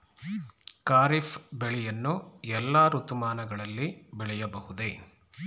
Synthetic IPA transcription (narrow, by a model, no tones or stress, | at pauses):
kaːɾifbeɭɛjɐnːuɛlːaːɾut̪umaːnɐɡɐɭɐlːibɛɭɛjɐbɐɦud̪e